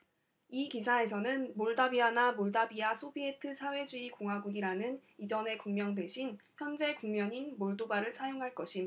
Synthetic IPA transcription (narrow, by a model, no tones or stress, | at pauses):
ikisʰae̞sʰʌnɯnmoɭdabianamoɭdabiasʰobietʰɯsʰawe̞d͡ʑuikoŋɦwaɡuɡiɾanɯnid͡ʑʌne̞kuŋmjʌŋdwe̞ɕʰinçjʌnd͡ʑe̞kuŋmjʌɲinmoɭdobaɾɯɭsʰajoŋɦaɭk͈ʌɕʰim